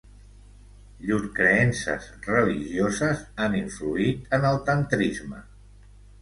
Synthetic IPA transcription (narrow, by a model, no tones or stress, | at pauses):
ʎuɾkɾəɛnsə̰zrəliʒiozəzaniɱfluit̪ənəlˠt̪ənt̪ɾizmə